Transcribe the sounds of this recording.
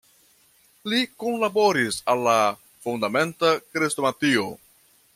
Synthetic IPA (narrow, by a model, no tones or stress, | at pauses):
likonlaboɾisalːa | fundame̞ntakɾestomatio̞